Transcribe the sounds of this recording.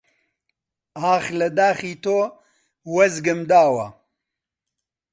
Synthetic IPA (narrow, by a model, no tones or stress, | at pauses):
aːxlɐd̪aːxiːt̪oː | wɐzɡɨmd̪aːwɐ̰